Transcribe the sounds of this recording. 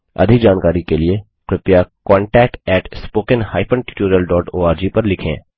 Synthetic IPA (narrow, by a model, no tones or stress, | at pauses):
ɐ̰d̪ʱɪkd͡ʒaːnkaːɾikelie | kɾɪpjakɔ̃ːɳʈɛːk̚ʈɛːʈspoːkənhaːɪpə̃ɳʈɪ̥ʈoːɾijəlɖɔːʈoːaːɾd͡ʒiːpɐɾlɪkʰḛ̃ː